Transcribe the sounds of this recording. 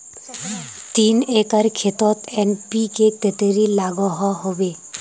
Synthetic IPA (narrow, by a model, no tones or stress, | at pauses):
t̪inekaɾkʰet̪ɔt̪enpikeket̪eɾilaɡɔɦɔɦobe